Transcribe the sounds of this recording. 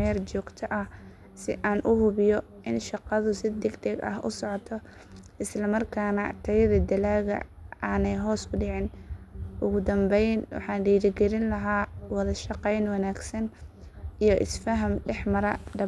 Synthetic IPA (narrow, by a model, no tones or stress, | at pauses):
ɛrt͡ʃɔːɡ̥t̪ʰɐʔɐh | sɪ̰ʔaːnʔʊhʊβɪjɔ | ʔɪnʃɑqɑðʊsɪd̪ɛɡd̪ɛɡɐ̰ɦʔʊ̰sɔʕɔt̪ʰɔ | ʔɪslɐmɐrkʰaːnɐt̪ʰɐjɐðɐd̪ɐlaːɣɐ̰aːnɛjɦɔːsʊɖɪʕɪnʔʊɣʊd̪ɐmbɛjnwɑ̰ħɑːnɖiːɾɪɡɛɾɪnlɐɦaːwɑðɐʃɑqɛjnwɑnaːɡsɐn | ijɔʔɪsfɐɦɐmɖɛħmɐɾɐd̪ɐ